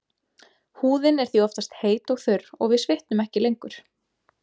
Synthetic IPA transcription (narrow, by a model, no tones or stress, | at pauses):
huːðɪnɛɾ̥θiɔft̪ast̪heːjt̪ɔɣθʏɾɔɣvɪðsvɪht̪nʏmɛhcɪlejŋkʏɾ̥